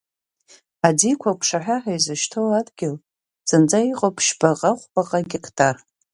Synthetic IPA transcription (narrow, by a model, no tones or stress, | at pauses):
adikʷʰakʷʰʂaħʷᶣaħajzɨʃtʰowadɡʲɪl | z̥ɨnd͡zʼaiqʼopʰʃbaqʼaχʷpʼaqʼaɡʲekʰtʰʼar